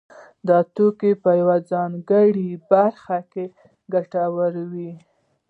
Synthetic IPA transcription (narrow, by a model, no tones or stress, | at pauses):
d̪ɑt̪okepəjawad͡zɑnɡəɽibaɾxake | ɡaʈawəɾwi